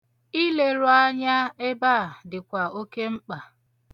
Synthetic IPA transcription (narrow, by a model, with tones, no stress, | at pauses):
i˦le˦ɾʊ˦a˦ɲa˦e˦ba˦˨dɪ˨kʷa˨o˦ke˦ŋ͡m̩˦k͡pa˨